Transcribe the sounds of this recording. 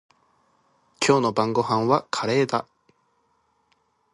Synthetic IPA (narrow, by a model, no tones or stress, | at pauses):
kʲʰo̞ːno̞bãŋɡo̞ɦãɰ̃βakʰaɾe̞ːd̪a